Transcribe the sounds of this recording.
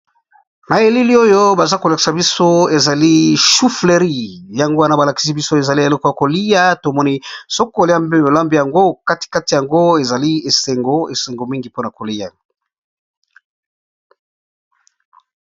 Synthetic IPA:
ma˨e˨li˦li˦o˦jo˦ba˨za˦ko˨la˨ki̥˨sa˨bi˦so˦e˨za˨li˦ʃu˦fle˨ʁi˦˨ja˨ŋɡo˦a˦na˦ba˨la˨ki̥˨s̬i˦bi˦so˦e˨za˨li˦e˨lo˦ko˨ja˨ko˨li˦ja˦to˨mɔ˦ni˦so˦ko˦˨li˦a˦mbe˦mo˨la˦mbi˦ja˨ŋɡo˦ka˦ti̥˨ka˦ti˨ja˨ŋɡo˦e˨za˨li˦e˨se˨ŋɡo˦e˨se˨ŋɡo˨mi˦ŋɡi˨po˦na˨ko˨li˦ja̰˨

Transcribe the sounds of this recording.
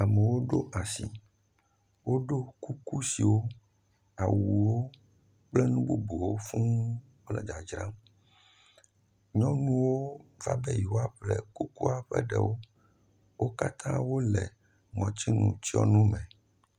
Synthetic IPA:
a˨mɛ˨wo˦ɖo˦ʔa˨si˨ | wo˦ɖo˦ku˦ku˦si˨wo˦ | a˨wu˨wo˦ | k͡plɛ˦nũ˦bo˨bo˨wo˦fũ˦ | k͡plɛ˦d͡ʒa˨d͡ʒɾã˦m | ɲɔ̃˦nũ˦wo˦va̰˦bɛ˦ji˨wo˦a˦ɸlɛ˦ku˦ku˦a˨ɸɛ̰˦ɖɛ˨wo˦ | wʔo˦ka˦t̪ʰã˦wo˦lɛ˨ | mɔ̃˨t͡ɕi˦nṵ̃˨t͡ɕi˦ɔ̰˦nũ˦mɛ̃˨

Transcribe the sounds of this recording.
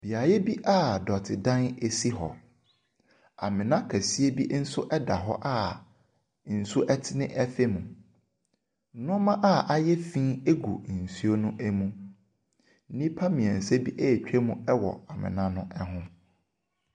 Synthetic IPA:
b̥i˨a˨jɛ˦bi˦ʔa˦˨dɔ˨tʰɪ˨dã˦ne˦si˦ɦɔ̰˨ | a̰˨mɪ̃˨nã˦kʰæ˨si˦e˦bi˦n̩˦sʊ˦ʔɛ˦da˨ɦɔ̰˦ʔa˦˨ | n̩˨sʊ˦ʔɛ˦tʰɪ˦nɪ̃˦ʔɛ˦fe˦mũ˨˦ | nʊ̃˦mã˦ʔa˦˨ʔa˦jɛ˦fĩ˦e˦ɡṵ˨n̩˨su˦o˦nʊ̃˦ʔɛ˦mũ˦ | n̩˦nĩ˦pʰa˦mĩ˨ɛ̃˨n̩˨sɛ˦bi˦ʔɛ˦˨t͡ɕᶣɛ˦mũ˦ɛ˦wɔ̰˨a˨mɪ̰̃˨nã˦nʊ̃˦ʔɛ˦ɦʊ̃˦

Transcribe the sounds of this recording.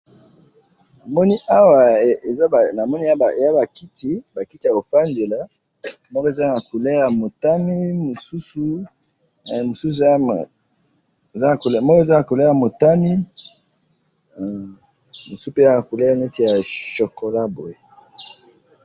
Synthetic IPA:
na˨mɔ˦ni˦ʔa˦wa˨e˨za˦˨na˨mɔ˦ni˦a˦ba˨ja˦ba˨ki˦tʰi˦ba˨ki˦ti˨˦a˨ko˨fa˦nde˨la˦ | mɔ˦kɔ˦e˨za˦na˨ku˨le˦ja˨mo˨ta˦mi˦mo˨su˦su˦ | mo˨su˦s̬ | e˨za˦na˨ko˨lmɔ˦kɔ˦e˨za˦na˨ko˨le˦ja˨mo˨ta˦mi˦˨ | mo˨spe˦˨˦a˨ku˨le˦ja˨ne˦ti˨ja˨ʃo˨ko˨la˦bo˨je˨

